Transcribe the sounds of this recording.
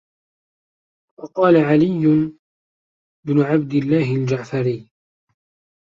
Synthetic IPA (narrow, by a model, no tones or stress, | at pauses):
wɑqɑːlaʕalɪjːʊn | bnʊʕabd̪ɪlːaːhɪld͡ʒaʕfaɾiː